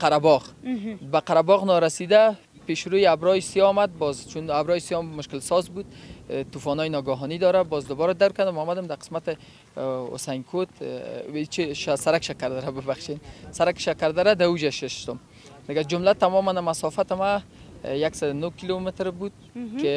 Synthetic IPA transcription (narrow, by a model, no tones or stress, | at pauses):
qaɾabɔɣbaqaɾabɔɣnɔɾasid̪a | peʃɾojiabɾɔjsijɔmad̪̚bɔzt͡ʃʰunabɾɔjsijɔmːʊʃkɪlsɔzbud̪̚t̪ufɔnɔjnɔɡaɦɔnid̪ɔɾabɔzd̪ʊbɔɾad̪awkad̪ʊmɔmad̪ɪmd̪aqɪ̥smat̪ɪ | o̰sajŋkʰot̪it͡ʃiʃasaɾakʃakaɾd̪aɾabɪbaχʃensaɾakʃakaɾd̪aɾad̪aud͡ʒaʃɪʃt̪ʊm | d̪ɪɡad͡ʒʊmlat̪amɔmanmasɔfat̪ɪma | jaksad̪ʊnokilomɪt̪ɾbud̪̚ | kɪ